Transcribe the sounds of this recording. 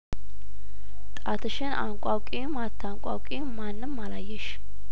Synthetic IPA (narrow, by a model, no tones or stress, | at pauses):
t̪ʼat̪ʰɨʃɪna̰ŋkʷʼawkʼimat̪ʰːaŋkʷʼa̰wkʼimmːanːɨmːalajːɛʃ